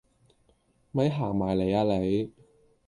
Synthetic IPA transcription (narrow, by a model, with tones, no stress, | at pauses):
mɐ˨˥jɦaː˨˩ŋmaː˨˩jle˨˩jaː˧le˨˧j